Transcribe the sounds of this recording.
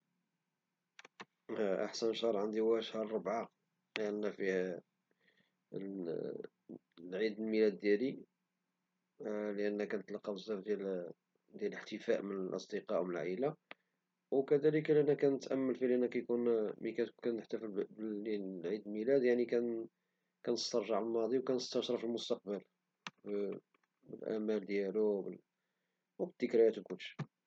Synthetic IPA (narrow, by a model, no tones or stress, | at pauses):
ʔa̰ħsənʃɑɾˤʕənd̪iwæʔəʃhɑɾˤobʕa | ənːæfih | lʕid̪əlmilæd̪ːjæli | ləʔənːækænət̪lɑqːɑbəzæfd̪jæl | d̪jæləħt̪əfæʔmənəlʔɑ̰sˤd̪əqɑʔwmənəlʕila | wkæd̪æləkliʔnːækænət̪ʔæmːəlfilʔnːækæjkunmikækænːəħt̪æfəlbəiʕid̪əlmilæd̪jaʕnikæn | kænəst̪ɑɾˤʒəʕlmɑd̪ˤiwkænəst̪ˤɑʃɾˤɑfilmʊst̪ɑq̚bəl | b | bəlʔæ̰mæld̪jælubə | wbəd̪̥ːəkɾjæt̪wkʊlʃ